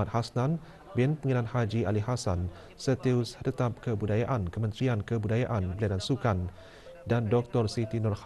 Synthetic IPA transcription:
at̪̚hasnãn | bɪnpəŋənãnhad͡ʒialiɦasan | sət̪iust̪ət̪ap̚kəbudajaʔankəmə̃nt̪ɾiankəbudajaʔanbəliadansukan | dandɔk̚t̪ɔrsit̪inɔrh

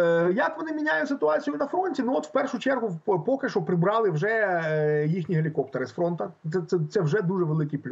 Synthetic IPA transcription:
jɐkʋɔnɪmʲinʲajʊsɪt̪ʊɑt͡sʲijʊnɐfɾɔnʲtʲinuɔt̪wpɛrʂʊt͡ʃɛrɦʊpɔkɪʃɔpɾɪbɾɑlˠɪwʒɛ | jixnʲiɦelʲikɔpt̪eɾɪsfɾɔnt̪ɐɛt̪sɛt̪sɛwʒɛd̪uʒɛʋelˠɪkɪplʲ

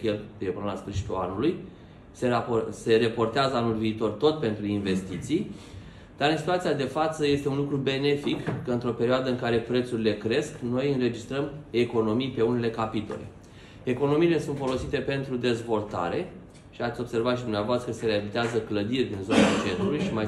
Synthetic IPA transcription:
kelepnasfɨɾʃi̥t̪ulanuluj | sease̞ɾepo̞rt̪eazəanulviːt̪o̞rt̪o̞t̪̚pe̞nt̪ɾuinve̞st̪it̪sij | d̪̥aɾɨnsit̪uat̪sijad̪e̞fat̪səje̞st̪e̞unlukɾube̞ne̞fikːəɨnt̪ɾo̞pe̞ɾioad̪əɨŋkaɾe̞pɾe̞t̪suɾile̞kɾe̞skno̞jɨnɾe̞d͡ʒist̪ɾəme̞ko̞no̞mijpe̞une̞le̞kapit̪o̞̰le̞̰ | e̞ko̞no̞miːle̞sunt̪fo̞lo̞sit̪e̞pe̞nt̪ɾud̪e̞zvo̞lt̪a̰ɾe̞ | ʃiat̪sʲo̞bse̞rvat̪ʃid̪umnavoast̪ɾəkəse̞ɾeavit̪eazəkləd̪irʲd̪inzo̞nat͡ʃe̞nt̪ɾulujʃima

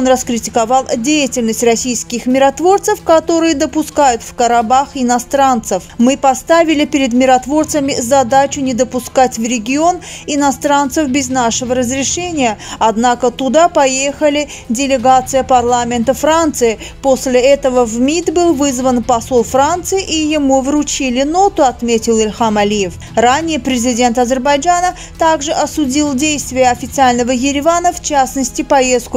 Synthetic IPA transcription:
onrəskɾʲɪtʲɪ̥kɐvɑlˠdʲejɪtʲɪlʲnəsʲtʲrɐsʲijskʲɪxmʲɪɾɐt̪vo̞rt̪səfkɐt̪o̞ɾɨjəd̪əpʊskajʊt̪fkəɾabaxɪnɐst̪ɾant̪səfmɨpɐst̪avʲɪlʲɪpʲɪɾʲɪd̪mʲɪɾɐt̪vo̞rt̪səmʲɪzɐd̪at͡ɕʊnʲɪd̪əpʊskatʲvɾʲɪɡʲɪo̞n | ɪnɐst̪ɾant̪səfbʲɪznaʂəvəɾəzɾʲɪʂɛnʲɪjəɐd̪nakət̪ʊd̪apɐjexəlʲɪ | dʲɪlʲɪɡat̪sɨjəpɐrlˠamʲɪnt̪əfrant̪sɨɪpo̞sʲlʲɪɛt̪əvəvmʲit̪bɨlˠvɨzvənpɐsolˠfrant̪sɨɪʔijɪmuvrʊt͡ɕilʲɪnot̪ʊɐt̪mʲetʲɪlˠɪlʲxamɐlʲijɪf | ranʲɪjəpɾʲɪzʲɪdʲe̞nt̪ɐzʲɪrbɐjd͡ʒanə | t̪aɡʐɨʔɐsʊdʲilˠdʲejst̪vʲɪjəɐfʲɪt̪sɨalʲnəvəjɪɾʲɪvanəft͡ɕasnəsʲtʲɪpɐje̞st̪̚kʊ

